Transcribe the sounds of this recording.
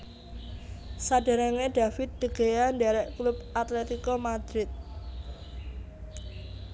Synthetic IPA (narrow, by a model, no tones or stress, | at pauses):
saɖ̥a̤ɾaŋeɖ̪̥afɪt̪̚d̪̥əɡ̥ejaɳdaɾɛʔklubʔat̪let̪ikomad̪̥ɾɪt̪̚